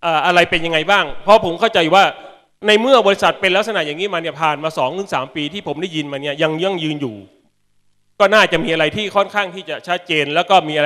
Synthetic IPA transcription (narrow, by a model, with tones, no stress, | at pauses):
ʔaː˨˩ʔa˧ɾa˧jpe˧nja˧ŋːa˧jbaː˥˩ŋpʰɔ˦˥pʰo˩˦mkʰa˥˩wt͡ɕa˧ju˨˩waː˥˩ | na˧jmɯ˥˩ɐbɔː˧ɾi˦˥sa˨˩t̪̚pe˧nlk̚s̬a˧na˨˩ʔjaː˨˩ŋːiː˦˥maː˧ni˥˩ɐpʰaː˨˩nmaː˧sɔː˩˦ŋt̪ɯ˩˦ŋsaː˩˦mpiː˧t̪ʰiː˥˩pʰo˩˦mda˥˩ji˧nmaː˧ni˥˩ɐja˧ŋjŋjɯː˧njuː˨˩ | kɔː˥˩naː˥˩t͡ɕa˨˩miː˧ʔa˧ɾa˧jt̪ʰiː˥˩kʰɔ˥˩nkʰaː˥˩ŋt̪ʰiː˥˩t͡ɕa˨˩t͡ɕʰa˦˥t̪̚t͡ɕeː˧nlɛː˦˥wkɔː˥˩miː˧ʔa˧